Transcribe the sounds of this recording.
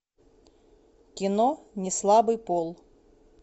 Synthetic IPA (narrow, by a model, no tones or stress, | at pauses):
kʲɪnɔnʲɪslˠabɨjpɔlˠ